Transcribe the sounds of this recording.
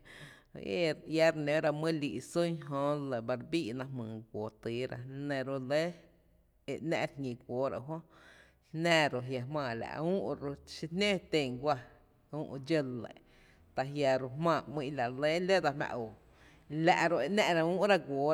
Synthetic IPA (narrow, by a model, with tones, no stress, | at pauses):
ja˦ɾnõ˦ɾa˧mɨ̃˦liː˨ʔsu˦ɦõ˧lə˨ba˧ɾbiː˦ʔnã˧mɨ̃ː˨ɡʷoː˨t̪iː˨˦ɾa˧nẽ˨ɾo˧le˦ | e˧ʔnɛ̰̃˧ʔɾɲĩ˨ɡʷoː˨˦ɾa̰˧ɦõ˦ | næ̃ː˦˧ɾo˨ɦja˨mãː˧˨la̰˨ũ˦ʔɾo˧ʃi˧nnẽ˦t̪ẽ˨ŋɡʷa˧ | ũː˦ʔd͡ʒə˦lə̰˨ | t̪a˧ɦja˧ɾo˧ɦmãː˧˨mĩ˧ʔla˨le˦le˦d̪a˧mã̰˧ʔoː˨ | la̰˧ʔɾo˧˨e˧ʔnɛ̃˧ʔɾa˧ũ˦ʔɾa˧ɡʷoː˨˦